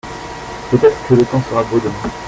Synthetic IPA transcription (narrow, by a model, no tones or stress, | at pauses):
pət̪ɛt̪χəkʰələt̪ɑ̃səʁabod̪ɔnɛ